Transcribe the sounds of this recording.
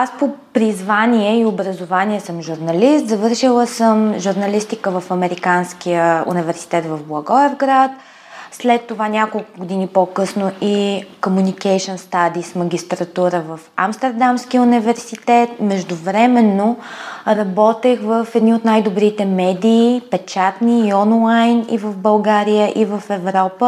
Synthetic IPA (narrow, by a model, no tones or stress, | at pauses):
aspopɾizvaniɛiobɾəzovanʲiɛsəmʒuɾnɐlist̪zɐvɤɾʃilˠəsəmʒuɾnɐlist̪ikəvəfɐmɛɾikanskijəṵnivɛɾsi̥t̪ɛt̪vəvblˠɐɡɔɛvɡɾat̪ | slɛt̪ːovanʲakolˠkʊɡod̪inipokɤsnoikomunikɛjʃɛnst̪ad̪ismɐɡʲist̪ɾɐt̪uɾəvəfa̰mst̪ɛɾd̪amsk̟ijunivɛɾsit̪ɛt̪̚mɛʒd̪ʊvɾɛmɛnːoɾɐbɔt̪ɛxvəfɛd̪niot̪najd̪obɾit̪ɛmɛd̪iːpɛt͡ʃat̪niɔnlˠajnḭvəfbəlˠɡaɾiəʔivəfɛvɾɔpə